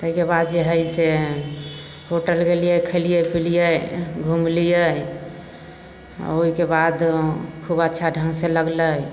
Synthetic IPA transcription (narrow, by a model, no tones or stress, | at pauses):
t̪əɦikebad̪d͡ʒeɦəjse | hoʈəlɡelijəkʰəlijəpʰilijəjɡʱumlijə | oɦikebad̪kʰubətːʃʰaɖʱəŋɡseləɡləj